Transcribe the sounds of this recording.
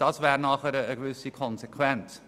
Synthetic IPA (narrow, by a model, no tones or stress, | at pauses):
d̥ɑːsvɛːɾnɑːχəɾəəɡvʏsikʰɔnzekʰwɛnt͡s